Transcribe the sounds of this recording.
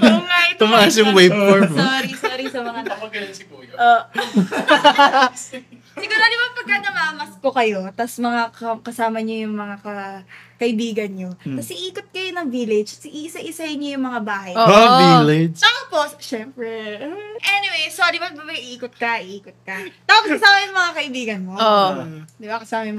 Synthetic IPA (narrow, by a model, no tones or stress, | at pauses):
oŋajt̪ʊmaasjʊŋwejoɹoːɾisoːɾisɐmɐŋad̪ɐwɐɡɐnɐskuʔoː | sɪɡʊɾaːd̪ʊmɐpɐɡ̚kːɐnɐmaʔɐmɐskokɐjo̞t̪ɐsmɐŋakɐkɐsaːmɐɲojʊŋmɐŋakɐkɐʔɪbiːɡɐnɲot̪ɐsʔɪʔiːkot̪̚kɐjonɐŋviːlɪd͡ʒɐsɪʔiʔsɐʔɪsajɪnɲojʊŋmɐŋabaːɦɐjovilɛt̪opostʃɛmpɾɛʔɛnɪwejsodɪbɐbabɐjɪʔiːkot̪̚kɐʔɪʔiːkot̪̚kɐt̪aːpsɐsaːmɐjʊŋmɐŋakɐʔɪbiːɡɐnmo̞od̪ɪbakɐsaːmɐjʊm